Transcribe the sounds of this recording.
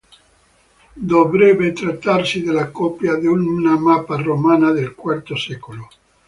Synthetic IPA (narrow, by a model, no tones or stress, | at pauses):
d̪obɾɛbet̪ɾat̪ːaɾsid̪elakɔpjad̪eunnamaparomanad̪elkwaɾt̪osɛkolo